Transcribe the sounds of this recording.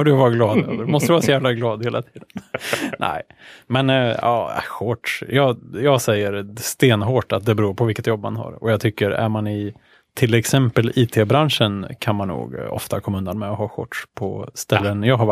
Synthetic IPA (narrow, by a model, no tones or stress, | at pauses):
ɑd̪ɵavɑːɾaɡlɑːd̪ø̰ːvəɖmɔst̪əɾɛvɑɾasɔjæːvlaɡlɑːd̪heːla̰t̪ʰiːd̪ənnʔɛ̰ɪmɛnɑ̰ːɧɔʈʂjɑːjɑːɡsɛjːəɾst̪eːnɦoːʈat̪̚d̪ɛbɛɾuːɾpʰɔvɪlkːət̪jɔbːmanha̰ɾɔ̰jɑːt̪ʰʏkːəɾæ̰ɾmanɪ | t̪ʰɪlɛksɛmpəliːt̪ʰeːbɾanʂənkʰanmanːṵːɡɔ̰ft̪akʰɔmːaɵnd̪anmɛɔɦɑːɧɔ̰ʈʂpʰɔ̰st̪ɛlːənjɑːɦaɾv